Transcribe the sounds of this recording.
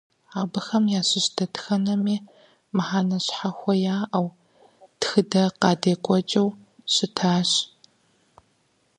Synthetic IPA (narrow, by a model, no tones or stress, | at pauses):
aːbɨxɐmjaːɕɪɕdʰɐtxɐnɐmiː | mɨħaːnɐɕħaxʷɔjaːʔɐw | txɨdɐqɑːdeːkʷʼɔt͡ʃʼɐw | ɕɪtʰaːɕ